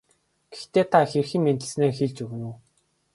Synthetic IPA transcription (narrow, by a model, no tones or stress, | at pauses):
ɡ̥e̥xt̪eːt̪ʰaxerxĭŋment̪ɘ̆ɮsneːrxeɮt͡ɕɵɣɘ̆nuː